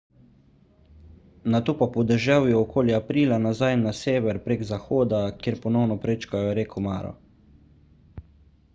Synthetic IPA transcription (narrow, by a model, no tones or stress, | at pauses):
nat̪oːpapɔd̪ɛʒawjɛɔkʰoːljiapɾiːlanazajnaseːʋɛɾpɾeːɡzaxoːd̪akjeːɾpɔnɔwnɔpɾeːt͡ʃkajɔɾekɔma̰ːɾɔ̰